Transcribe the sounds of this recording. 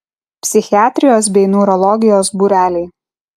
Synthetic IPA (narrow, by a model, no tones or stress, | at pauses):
pʲsʲɪxʲɪɑːt̪ʲɾʲɪjoːs̬bʲɛɪnuːɾɔlˠɔɡʲɪjoːsbuːɾʲæːlʲɛɪ